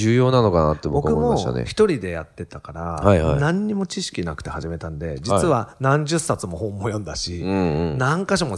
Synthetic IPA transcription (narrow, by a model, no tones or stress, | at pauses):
ɨːjo̞ːnano̞kanat̪ːebbokkɯmo̞a̰nḛçi̥t̪o̞ɾʲid̪e̞jat̪ːe̞t̪akaɾahaiha̰nãɲ̟ːimo̞t͡ɕiɕi̥kʲinakɯ̟̥t̪e̞haʑime̞t̪ãnd̪e̞d͡ʑit͡sɨβanãɲ̟d͡ʑɨsːat͡sɨmo̞hõ̞mːo̞jõ̞nd̪aɕĩnãŋkaɕomo̞